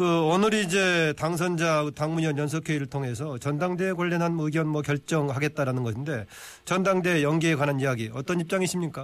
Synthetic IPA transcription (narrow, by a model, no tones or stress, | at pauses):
kɯʌnɯɾiːd͡ʑe̞taŋs̬ʰʌnd͡ʑaɯtaŋmuɲʌnjʌnsʰʌkʰeiɾɯɭtʰoŋe̞sʰʌt͡ɕʌndaŋde̞ːkwaʎːʌnɦanmɯɡjʌnmwʌkjʌɭt͡ɕ͈ʌŋɦaɡe̞t̚t͈aɾanɯnɡʌɕʰinde̞ | t͡ɕʌndaŋde̞jʌŋɡeːkwananijaɡiʌt͈ʌnip̚t͡ɕ͈aŋiɕʰimɲik͈a